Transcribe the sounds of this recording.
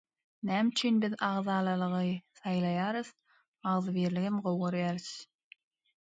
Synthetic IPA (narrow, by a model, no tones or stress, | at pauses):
næmt͡ʃʰynbiðɑʁðɑːlˠɑlˠɯʁɯθɑjlˠɑjɑːɾɯθ | ɑʁðɯβiːɾliɡimɢowʁoɾjɑːɾɯθ